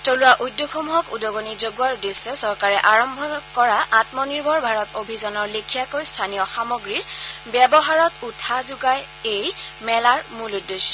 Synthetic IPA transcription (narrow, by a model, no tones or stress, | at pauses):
toluɹaʔudːoxomuɦɔkudoɡonizoɡuaɹudesɛsɔɹkaɹɛʔaɹɔmbʱɔkɔɹaʔatmɔniɹbʱɔɹbʱaɹɔtʰobʱizɔnɔɹlekʰijakojstʰanijɔxamɔɡɹiɹbɛbɔɦaɹɔtutʰazuɡaj | ejmɛlaɹmuludːesɔ̥